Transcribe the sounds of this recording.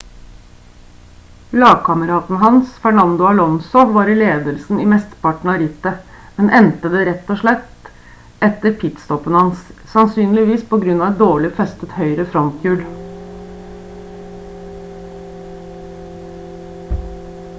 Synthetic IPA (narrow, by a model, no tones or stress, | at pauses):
lɑːɡ̚kʰɑməɾɑːt̪n̩ɦɑnsfæɳɑnd̪ʊɑlɔnsʊʋɑːɾɪleːd̪əlsn̩iːmɛst̪əpɑʈɳ̩ɑɾɪt̪ə | mɛnʔɛnt̪əd̪ɛɾɛt̪ːɔːʂɭɛt̪ | ɛt̪ːəɾpʰɪt̪st̪ɔpənəhɑnssɑnsyːnlɪʋiːspʰɔɡɾʉnːɑʋɛt̪̚d̪oːɭɪfɛst̪ət̪hœʏɾəfɾɔnt̪ʰjʉːl